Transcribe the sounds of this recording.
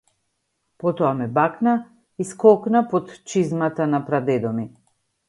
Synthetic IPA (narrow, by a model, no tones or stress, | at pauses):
pɔt̪ɔamɛbakna | iskɔknapot̪t͡ʃizmat̪anapɾad̪ɛd̪ɔmi